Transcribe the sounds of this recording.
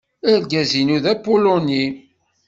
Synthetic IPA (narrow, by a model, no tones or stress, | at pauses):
æɾɡæzinuðæpuloni